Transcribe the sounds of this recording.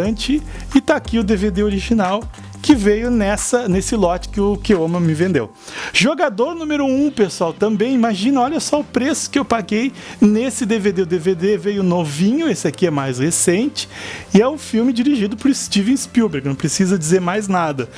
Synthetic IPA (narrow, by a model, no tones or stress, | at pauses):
ɐ̃t͡ʃɪ | ɪt̪aːkiʊd̪eved̪eoɾiʒinaw | kɪvejʊnɛsɐnesɪlɔt͡ʃɪ̥kɪʊkɪõmɐmɪvẽnd̪ḛw | ʒoɡad̪oɾnũmeɾʊũpesuawt̪ɐ̃mbẽj̃imaʒĩnɐɔʎɐsɔʊpɾesʊ̥kɪewpaɡej | nesɪd̪eved̪eʊd̪eved̪evejʊnovĩɲʊesɪakiɛmajzhesẽnt͡ʃɪ̥ɪɛʊ̃fiwmɪd͡ʒiɾiʒid̪ʊpʊɾɪst͡ʃivẽspiwbeɾknɐ̃w̃pɾesizɐd͡ʒizeɾmajznad̪ɐ